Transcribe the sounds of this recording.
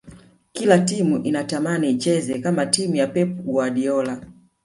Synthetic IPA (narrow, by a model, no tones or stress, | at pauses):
kilatimuʔinatamanit͡ʃɛzɛkamatimujapɛpuwaɗiɔla